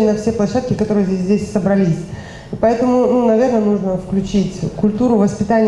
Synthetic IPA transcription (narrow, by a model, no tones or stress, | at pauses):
nɐfsʲe̞plˠɐɕːat̪̚kʲɪkɐt̪o̞ɾɨjəzʲeəsʲzʲdʲesʲsəbɾɐlʲisʲ | ipɐɛt̪əmʊnunɐvʲe̞rnənuʐnəfklʲʉt͡ɕitʲkʊlʲt̪uɾʊvəspʲɪt̪anʲɪ